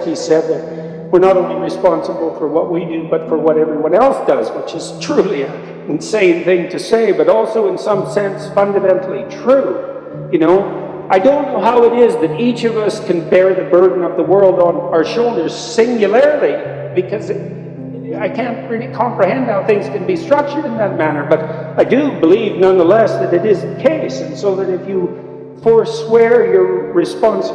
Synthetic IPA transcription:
isɛd̪̚ðɨt̚ | wəɹnəɾõʊ̃nliɹɨspɑ̃nsəbl̩ˠfə˞wʌʔ̚widɨbʌtfə˞wʌɾɛvɹiwʌ̃nɛlˠsd̥ʌzwɪt͡ʃɨz̥tʰɹ̥ʉliɨ̃ | nsẽɪ̃mθɪ̃ŋtʰɨseɪbʌɾɔlˠsoʊɨ̃nsʌ̃msɛ̃nsfʌ̃ndɨmɛ̃ntʰˡl̩ˠitʰɹ̥ʉ | jɨnoʊ | ʔaɪdõʊ̃nːoʊɦaʊɨɾɪzðɨɾit͡ʃʌvʌskʰɨ̃nbɛɹðɨbɜ˞dⁿn̩ʌvðəwɜ˞lˠdn̩aʊə˞ʃoʊlˠdə˞z̥sɪ̃ŋjɨl̩ɛɹlˠi | b̥ɨkʰʌz | aɪkʰæ̃nt̚ɹɪlˠikʰɑ̃mpɹɨhɛ̃nd̚haʊθɪ̃ŋz̥kɨ̃n̩bistɹ̥ʌk̚t͡ʃə˞ɾɨ̃nðɨt̚mænə˞bʌɾaɪdɨbəlivnʌ̃nðəlɛsðɨɾɨɾɪzɨkʰeɪsɨ̃n̩soʊðɨɾɨfjɨ | fɔɹswɛɹjə˞ːɨspɑ̃ns

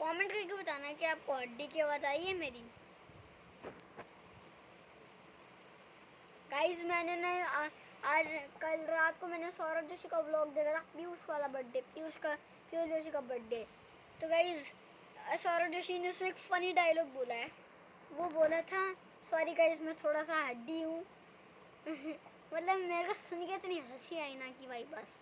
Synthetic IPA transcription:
kɔːmẽɳʈkakibɐt̪aːnakiaːp̚koɦɐɖːikiɐʋaːzaːiɦɛmeːɾi | ɡaːɪzmɛːnenɐ | aːd͡ʒkɐlɾaːt̪komɛːnesɔːɾod͡ʒoːʃikablɔːk̚d̪eːd̪ʰat̪ʰabiʊsʋaːlabɐɖːepiʊʃka | pioːld͡ʒoːʃ̬ikabɐɖːe | t̪oɡaːɪz | sɔːɾod͡ʒoʃineʊsmẽeːkfɐniɖaːjəlɔːɡ̚boːlaɛː | ʋoboːlat̪ʰa | saːɾiɡaːɪzmẽt̪ʰoːɽasaɦɐɖːiɦũ | mɐt̪ləbmeːɾkasʊnkeɪt̪nĩɦɐsiaːinakibʱaːibɐs

